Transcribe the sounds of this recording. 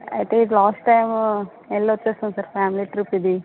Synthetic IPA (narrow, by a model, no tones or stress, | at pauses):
ɐ̰jt̪eiʈlaːsʈːɐjm | ɛlːoʋɐt͡ʃːeːst̪und̪sɐɾpʰaːmiliʈɾipːid̪i